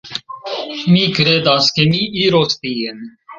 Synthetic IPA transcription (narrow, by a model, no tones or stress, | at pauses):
miːkɾeːd̪ɑskemiʔiɾost̪ijen